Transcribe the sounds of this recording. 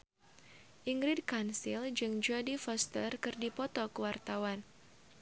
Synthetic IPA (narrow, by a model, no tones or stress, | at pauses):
ʔiŋɡɾid̚kansɪld͡ʒɨŋd͡ʒɔdifɔst̪ərkɨrdipɔt̪ɔkəwart̪awan